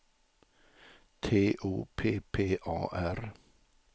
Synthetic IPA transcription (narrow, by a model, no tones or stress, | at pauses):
t̪ʰeːʔṵːpʰeːpʰeːʔɑ̰ːʔæɾ